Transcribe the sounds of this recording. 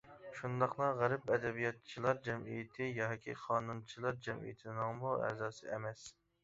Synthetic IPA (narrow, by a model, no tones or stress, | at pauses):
ʃund̪ɑqlˠɑʁæɾɪpɛd̪ɛbijɑt̪̚t͡ʃʰilˠɑɾd͡ʒɛmḭjɪt̪ʰɪjɑɦkʲʰḭqʰɑːnunt͡ʃʰilˠɑɾd͡ʒɛmḭjɪt̪ʰɪnɨŋbuwæ̰zɑːsɨɛmɛs